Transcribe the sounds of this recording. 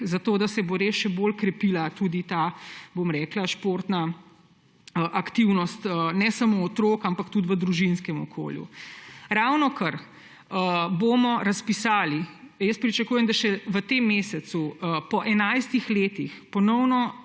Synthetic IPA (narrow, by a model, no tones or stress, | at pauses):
zat̪oːd̪asɛboɾeːsʃɛboːlkɾɛpilat̪ud̪it̪aːbomɾɛːklaʃpoːɾt̪na | əʔakt̪iwnɔst̪ənɛsamoːt̪ɾokampakt̪ut̪ʋəd̪ɾuʒinskɛmɔkʰo̰ːljṵɾawnɔkɐɾ | əbomɔɾɐspisaːli | jəspɾit͡ʃɐkuːjɛmd̪aʃɛʋət̪emːeːsɛt̪suəpɔʔɛnajst̪ixleːt̪ixpɔnɔwnɔ